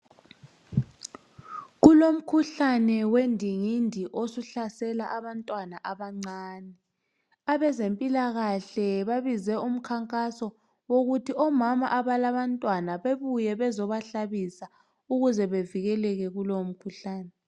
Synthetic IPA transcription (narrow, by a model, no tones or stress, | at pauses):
ɣulom̩kʰuɬanɛwendʱiŋindʱiʔosuɬasɛlaʔaβantʼwanaʔaβaŋ͡ǀaːnɛ | aβɛzempʼilaɣaɬɛβaβizɛum̩kʰaŋkʼasɔ | woɣutʰiʔɔmama̰ʔaβalaβantʼwanaβeβujɛβɛzɔβaɬaβisa | uɣuzɛβeviɣɛlɛɣɛɣulom̩kʰuɬaːnɛ